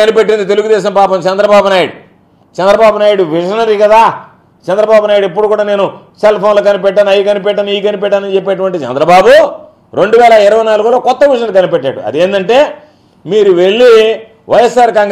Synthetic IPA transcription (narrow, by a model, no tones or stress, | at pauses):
ɐnipeʈːind̪it̪e̞luɡud̪ɛːʃɐmpaːpɐmt͡ʃɛnd̪ɾɐbaːbunaːjuɽu | t͡ʃɛnd̪ɾɐbaːbunaːjuɽuʋiʂɐnɐɾikɐd̪aː | t͡ʃɛnd̪ɾɐbaːbunaːjuɽipːuɽukuːɽaːne̞ːnuselpʰoːnlɐkɐnipɛʈːaːnɐjikɐnip̬ɛʈ̬ːaːniːkɐnipɛʈːaːnɐnt͡ʃep̬ːeːɐʈ̬uʋɐɳʈit͡ʃɛ̰nd̪ɾɐbaːbu | ɾe̞ɳɖuʋɛːlɐɪɾɐʋɐjnaːluɡulo̞ːkɔt̪ːɐʋiʂɐnɐlkɐnipɛʈːa̰ːɽṵɐ̰d̪eːnd̪ɐɳʈe̞ː | miːɾuʋe̞ɭːi | ʋɐjesːaːɾkaːŋɡ